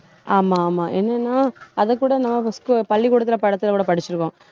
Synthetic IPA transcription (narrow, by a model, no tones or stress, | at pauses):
ʔaːmaːmaːʔɛnːɛnːaːɐðɐkːuːɽɐnɐmːɐskpɐɭːikuːɽɐt̪̬ːɪlɐpɐɽɐt̪ːɪlɐkuːɽɐpɐɽɪt͡ʃːɪɾɯkːõ